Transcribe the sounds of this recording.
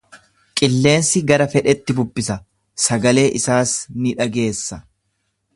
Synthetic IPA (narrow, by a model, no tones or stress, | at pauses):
kʼɪlːe̞ːnsɪɡɐɾɐfɛᶑɛt̪ːɪbʊbːɪsɐ | sɐɡɐle̞ːʔɪsaːsnɪᶑɐɡe̞ːsːɐ